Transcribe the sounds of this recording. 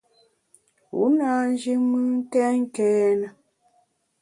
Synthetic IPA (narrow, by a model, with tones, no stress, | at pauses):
ṵ˨˦na˦n˦d͡ʒi˦mɨ˦n̩˦tɛ˦ŋ̩˦kɛː˦nə˨